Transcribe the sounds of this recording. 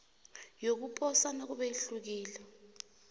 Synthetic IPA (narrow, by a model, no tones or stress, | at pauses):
jok̬upʼʰɔsanok̬uɓɛiɬuk̬iːlɛ